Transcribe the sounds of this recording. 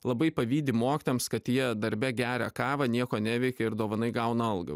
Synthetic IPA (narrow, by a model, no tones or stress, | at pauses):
lˠɐbɐɪpɐʋʲiːd̪ʲɪmoːkʲɪt̪ʲeːmskɐt̪jiɛd̪ɐɾʲbʲɛɡʲæːɾʲɛkɑːʋɐnʲiɛkoːnʲæʋʲɛɪkʲɛɪɾd̪oːʋɐnɐɪɡɐʊnɐɐlˠɡɐ̰